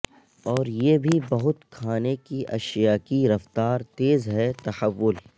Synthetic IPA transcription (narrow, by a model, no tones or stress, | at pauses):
ɔːɾjeːbʱibɐɦʊt̪kʰaːnekiʔɐ̰ʃjaːkiɾɐft̪aːɾt̪eːzɦɛt̪ɐhəʋːʊl